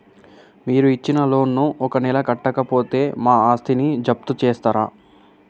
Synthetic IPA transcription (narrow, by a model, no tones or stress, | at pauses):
miːɾuit͡ʃːinɐlo̞ːnːuʔɔkɐnɛlɐkɐʈːɐkɐpo̞ːt̪e̞ːmaːaːst̪ʰinid͡ʒɐp̚t̪ut͡ʃɛːst̪aːɾa̰ː